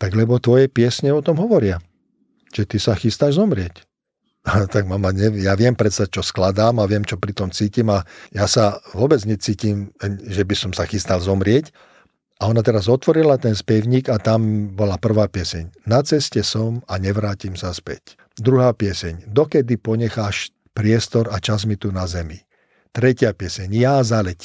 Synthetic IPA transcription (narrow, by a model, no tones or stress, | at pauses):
t̪aɡlɛbɔt̪ʋɔjɛpɪɛsɲɛɔt̪ɔmɦɔʋɔɾɪa | ʒ̥ɛt̪isaxist̪aːʒzɔmɾɪɛc | t̪aɡmamaɲɛjaːʋɪɛmpɾɛt̪st̪at͡ʃɔsklad̪aːmaʋɪɛmt͡ʃɔpɾit̪ɔmt͡siːcimajaːsaʋʊɔbɛd͡zɲɛt͡siːciːmʒɛbisɔmsaxist̪alzɔmɾɪɛc | aɔnat̪ɛɾazɔt̪ʋɔɾilat̪ɛnspɛʊɲiːɡat̪ambɔlapr̩ʋaːpɪɛsɛɲnat͡sɛscɛsɔmaɲɛʋɾaːcimsaspɛ̰c | d̪ɾuɦaːpɪɛsɛɲd̪ɔkɛd̪ipɔɲɛxaːʃ | pɾɪɛst̪ɔɾat͡ʃazmit̪unazɛmi | t̪ɾɛcɪapɪɛsɛɲjazalɛc